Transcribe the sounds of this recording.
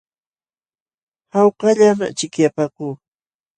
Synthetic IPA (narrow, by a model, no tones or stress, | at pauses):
hɑwqɑʎama̰t͡ʃɪkjapaːkuː